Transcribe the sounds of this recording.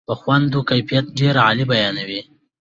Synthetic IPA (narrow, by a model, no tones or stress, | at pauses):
pəxwand̪okajfijat̪̚ɖeɾaalibajɑnawi